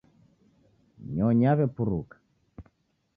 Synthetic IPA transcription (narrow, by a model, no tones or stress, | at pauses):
ɲɔɲaβɛpuɾukḁ